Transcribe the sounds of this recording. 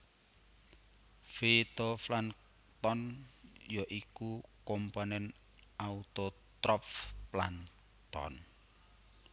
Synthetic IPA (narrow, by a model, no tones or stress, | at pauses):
fet̪oflan | t̪ɔnjɔʔikukɔmpanɛn | aut̪o | t̪ɾɔpfplan | t̪ɔ̰n